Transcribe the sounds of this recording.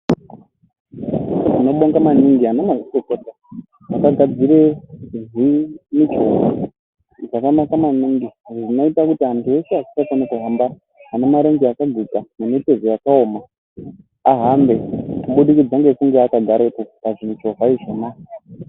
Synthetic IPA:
ʐino̞ɓoŋɡamaniŋɡiɦanemaʐitokota | makaɡʱad͡ziɾeʐimit͡ʃova | ʐakamakamaniŋɡiʐʐinoitakutiantʰuwe̞seasisakenekuɦamba | ɦane̞maɾeŋɡiakaɡʱid͡zanemete̞zojakaoːma | aɦambe̞kuɓuɗikid͡zaŋɡekuŋɡeakaɡʱaɾepo̞paʐin̤ut͡ʃo̞ɦaiʐema

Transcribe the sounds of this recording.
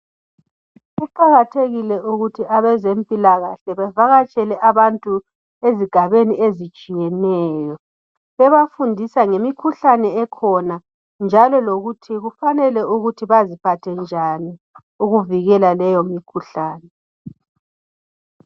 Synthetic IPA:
ɣuǃaɣatʰeɣilɛʔuɣutʰiaβɛzempʼilaɣaɬɛβɛvaɣat͡ʃʼɛlɛʔaβantʼu | eziɡ̥ʱaβeniezit͡ʃʼijɛnɛːjɔ | ɛβafundʱisaŋemikʰuɬanɛɛkʰɔna | nd͡ʒʱalɔloɣutʰiɣufanɛlɛuɣutʰiβazipʰatʰɛnd͡ʒʱani | uɣuviɣɛlalɛjomikʰuɬaːnɛ

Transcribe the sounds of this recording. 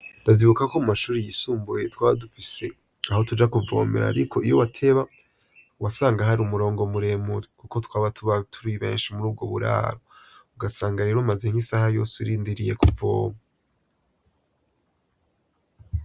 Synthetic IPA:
daviβukakomumaʃuːɾijisuːmbuje̞twaːβadufise̞ | aho̞tud͡ʒakuvo̞̰ːmeɾa̰ɾikʰo̞ijo̞watʰe̞βa | wasaːŋɡaɦaɾiumuɾo̞ːŋɡomuɾe̞ːmuɾikuko̞twaːβatʰuβatʰuɾiβe̞̰ːnʃimuɾuːb̚ɡo̞βṵɾa̰ːɾouɡasaːŋɡaɾe̞ɾomaze̞ŋ̥hisahajo̞ːsiɾiːndiɾije̞kuvo̰ːma

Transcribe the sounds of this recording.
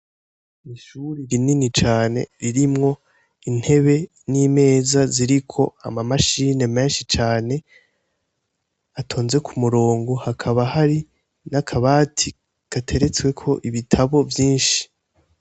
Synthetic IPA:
iʃuɾiɾininit͡ʃaːne̞̰ɾiɾimŋo̞ | in̥he̞βe̞ | niːme̞ːzaziɾikʰo̞a̰mamaʃine̞me̞ːnʃit͡ʃaːne̞ | atʰo̞ːnze̞kʰumuɾoːŋɡohakʰaβahaɾi | nakʰaβaːtʰi | katʰe̞ɾe̞t͡swe̞kʰo̞ʔiβitʰaβo̞vjiːnʃi̥

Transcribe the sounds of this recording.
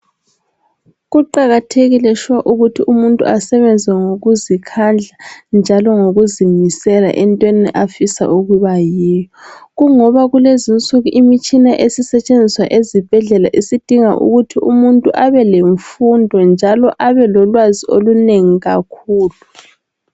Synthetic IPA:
ɣuǃaɣatʰeɣilɛʃwaʔuɣutʰiumuntʼṵasɛβɛnd͡zʱwɛŋoɣuzikʰand͡ɮʱand͡ʒʱalɔŋoɣuzimisɛla̰ʔɛntʼweniʔafisa̰ʔuɣuβajɛːjɔɣuŋɔβaɣulezint͡sʼuɣuʔimit͡ʃʼinaʔesisɛt͡ʃʼend͡zʱiswaʔezib̥ʱɛɮɛlaʔisid̥ʱiŋa̰ʔṵɣutʰiʔṵmuntʼuʔaβɛleɱfundʱɔnd͡ʒʱalɔʔaβɛlɔlwazioluneŋiɣakʰuːlu

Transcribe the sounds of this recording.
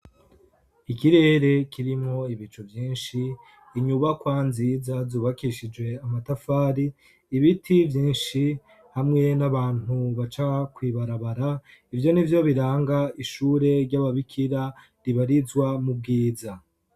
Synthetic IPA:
ikiɾe̞ːɾe̞kiɾimŋo̞iβit͡ʃuvjiːnʃiː | ɲuβakwaːnzizazuβakiʃid͡ʒwe̞amatafaːɾiː | βitʰivjĩːnʃi | hamŋe̞naβaːn̥uβat͡ʃakwiːβaɾaβaɾa | ivjo̞nivjo̞βiɾaːŋɡaiʃuːɾe̞ɾɟaβaβikʰiɾa | ɾiβaɾizwamub̚ɡiːza

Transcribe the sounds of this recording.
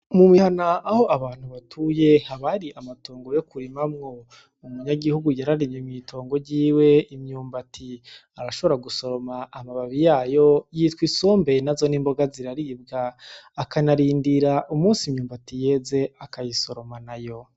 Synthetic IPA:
mumihanaːho̞ʔaβaːn̥huβatʰuje̞haβaɾiʔamatoːŋɡo̞jo̞kuɾimamŋo̞ | umuɲaɡihuɡujaɾaɾimɲemɲito̞ːŋɡo̞ɟiːwe̞imɲuːmbatʰi | aɾaʃo̞βo̞ɾaɡuso̞ɾo̞maʔːmaβaβijaːjo̞jiːtwisoːmbe̞nazo̞niːmbo̞ɡaziɾaɾib̚ɡaːkanaɾiːndiɾaʔumuːnsimɲuːmbatije̞ːze̞akajiso̞ɾo̞manajo̞

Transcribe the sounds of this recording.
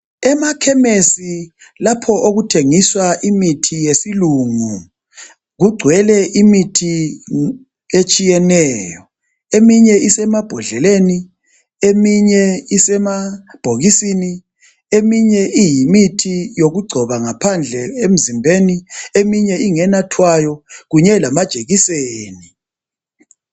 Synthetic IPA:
ɛmakʰɛmesilapʰɔʔoɣutʰeŋiswaʔimitʰijesiluŋu | ɣuɡ͡ǀʱwɛlɛʔimitʰi | et͡ʃʼijɛnɛːjɔ | emiɲɛisɛmab̥ʱɔɮɛleni | emiɲɛisɛmab̥ʱoɣisini | emiɲɛʔijimitʰijoɣuɡ͡ǀʱɔβaŋapʰand͡ɮʱɛem̩zimbʱeniemiɲɛiŋɛnatʰwajɔɣuɲɛlamad̥ʒ̥ʱeɣiseːni

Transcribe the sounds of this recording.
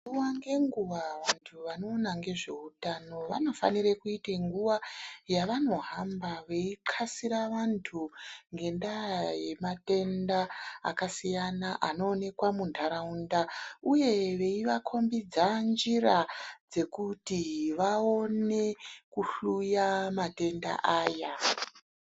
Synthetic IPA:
uwaŋɡe̞ŋɡuʋawantʰuʋano̞ːnaŋɡe̞ʐe̞̰utano̞ʋa̰no̞fa̰nirekuiteŋɡuʋajaʋano̞ɦambaʋe̞iǃʰasiɾaʋantʰuŋɡe̞ndaje̞mate̞ndaa̰kasijanaʔano̞ːne̞kwamundʰʱaɾaundauje̞ʋe̞iʋakʰo̞mbid͡zand͡ʒirad͡ze̞kutiʋao̞ne̞kuɬujamate̞nda̰ʔaːja

